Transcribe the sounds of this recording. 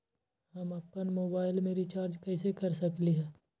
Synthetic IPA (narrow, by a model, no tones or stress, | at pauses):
hɐmɐpːənmoːbaːɪlmẽɾit͡ʃaːɾd͡ʒkɛːsekɐɾsɐkliɦɛ̃ː